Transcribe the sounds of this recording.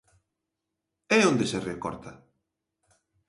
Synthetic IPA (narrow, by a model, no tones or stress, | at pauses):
ɛond̪eserekɔ̰ɾt̪a